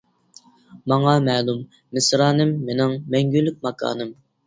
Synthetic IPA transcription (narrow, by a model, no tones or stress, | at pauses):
mɑŋɑmɛːlˠumː | ɪsɾɑːnɨmːenɪŋmɛŋɡʲylːyk̚ʲmɑkʰɑ̰ːnɨm